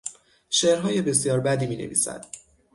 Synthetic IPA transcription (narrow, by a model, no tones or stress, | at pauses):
ʃeːɾɦɒːje̞be̞sjɒːɾbæd̪iːmiːnḛvḭːsæ̰d̪̥